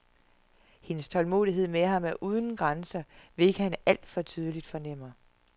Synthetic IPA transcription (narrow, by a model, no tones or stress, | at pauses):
he̝nəst͡sʰɒ̽lmo̝̰ðˠiɦe̝ð̞̰ˠmeɦɑ̈mæɐʔuːð̞ˠn̩ɡ̥ʁansɐʋe̝e̝ɡ̥əhænæl̰d̥fɒ̽t͡sʰyːð̞ˠəlid̥fɒ̽nem̰ɐ